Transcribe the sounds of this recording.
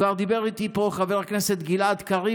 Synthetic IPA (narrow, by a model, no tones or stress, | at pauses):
aʁd̪ibeʁit̪ipo̞χaveʁaknese̞t̪ɡilad̪kaʁi